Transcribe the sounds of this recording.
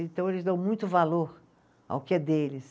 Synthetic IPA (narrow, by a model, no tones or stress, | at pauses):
ẽt̪ɐ̃w̃elɪzd̪ɐ̃w̃mũj̃t̪ʊvaloɾ | a̰ʊkɪɛd̪elɪs